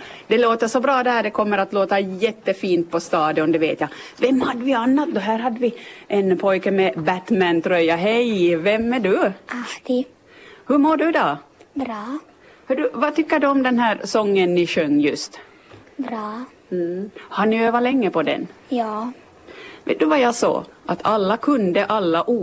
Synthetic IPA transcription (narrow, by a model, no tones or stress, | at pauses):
d̪̥ɛloːt̪əʂɔbɾɑːd̪ɛhæːɖ̪ɛkʰɔmːəɾat̪loːt̪ajɛt̪ːəfiːnt̪̚pʰɔst̪ɑːd̪əɔnd̪ɛveːt̪javɛmːhad̪ːəvɪanːat̪̚d̪ɔɦæːɾɦad̪ːəvɪʔɛnpʰɔjkəmɛbæt̪mænt̪ʰɾœjːaɦɛjvɛmːæɖɵḁ | hɵmoːɖɵd̪ɔbɾɑː | hɵɖɵvat̪ʰʏkːəɖɵɔmd̪ɛnɦæːɾsɔŋːənːɪɕœŋːjɵst̪ | bɾɑː | hanɪøːvalɛŋːəpɔd̪ɛ̰njɑː | vḛːt̪̚d̪ɵvajɑsɔ̰ːʔa̰t̪ʰalːakʰɵnd̪əʔalːaʔuː